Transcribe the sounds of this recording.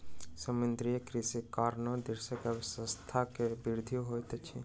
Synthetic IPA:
səmɪnd̪ɾijəkɾisikaːɾnod̪ɪɾsəkəbsə̃st̪ʰakebiɾd̪ʱijoɦojt̪t͡ʃʰi

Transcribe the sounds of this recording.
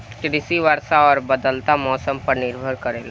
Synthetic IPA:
kɾɪsiʋəɾsaɔːɾbəd̪əlt̪amɔːsəmpəɾnɪɾbʱəɾkəɾeːla

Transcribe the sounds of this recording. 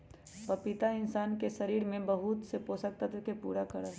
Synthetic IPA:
pɐpɪt̪aɪnsaːnkeʃɐɾiːɾmẽbɐɦut̪sepoːsək̚t̪at̪ʊkepṵːɾakɐɾa

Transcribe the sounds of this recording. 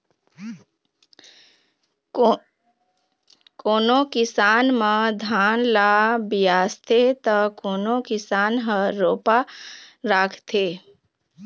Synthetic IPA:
koːnokɪsaːnmə̃d̪ʱaːnlabijaːst̪ʰet̪əkoːnokɪsaːnɦəɾoːpaɾaːkʰt̪ʰe

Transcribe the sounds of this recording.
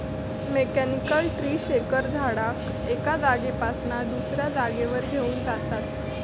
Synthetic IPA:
mekænikəlʈɾiːɕekəɾd͡z̪ʱaɽak | ekad͡zaɡepasnad̪usɾjad͡zaɡeʋəɾɡʱeuːnd͡zat̪at̪

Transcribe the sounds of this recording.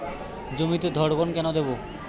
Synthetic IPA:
d͡ʑomit̪ed̪ʱɔɽɡɔnkɛnod̪ebo

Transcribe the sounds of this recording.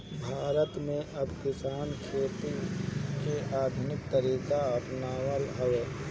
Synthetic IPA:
bʱaːɾət̪mẽʔɐbkɪsaːnkʰeːt̪ikeʔaːd̪ʱʊnɪk̚t̪əɾiːkaɐpnaːwəlɦɐʋeː

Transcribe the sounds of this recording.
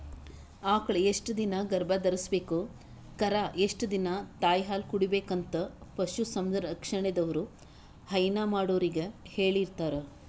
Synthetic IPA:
aːkɐɭeeʂʈd̪inɐɡɐɾbʱɐd̪ɐɾɐsbe̞ːku | kɐɾaʔeʂʈud̪inɐt̪aːjɦaːlkuɽibeːkɐnt̪ɐpɐʃusɐmd̪ɐɾɐkʂɐɳed̪ɐʋɐɾu | hɐjnaːmaːɽoːɾiɡeheːɭiɾt̪aːɾe

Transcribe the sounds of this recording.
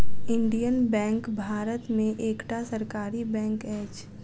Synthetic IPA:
ɪ̃ɳɖijənbɛ̃ːŋkbʱaːɾət̪mẽʔeːkʈasəɾkaːɾibɛ̃ːŋkɛːd͡ʒ

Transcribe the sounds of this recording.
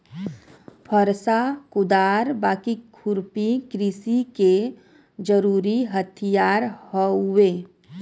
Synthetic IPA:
pʰəɾsakʊd̪aːɾbaːkikʰʊɾpikɾisike | d͡ʒəɾuːɾiɦət̪ʰijaːɾhoweː

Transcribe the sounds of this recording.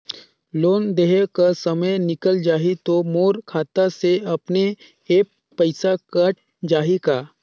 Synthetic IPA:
loːnd̪eɦekəsɐməjnɪkəld͡ʒaːɦit̪omoːɾkʰaːt̪aseɐpne | eːk̚ | pəɪsakəʈ̚ | d͡ʒaːɦikaː

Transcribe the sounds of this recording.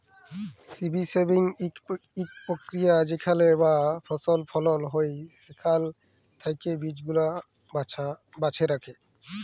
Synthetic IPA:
sibisebiŋ | ik̚pɾokɾijad͡ʑikʰalebapʰɔsolpʰɔlolɦojsekʰal | t̪ʰajkebid͡ʑɡula | a | bat͡ɕʰeɾakʰe

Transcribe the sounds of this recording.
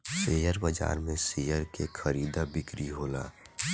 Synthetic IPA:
seːjəɾbəd͡ʒa̰ːɾmẽsejəɾkekʰəɾiːd̪abɪkɾiɦoːla̰ː

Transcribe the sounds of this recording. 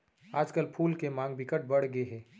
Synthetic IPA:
aːd͡ʒkəlpʰuːlkemãːŋɡbɪkəʈ̚bɐɽ̤ɡəeɦɛː

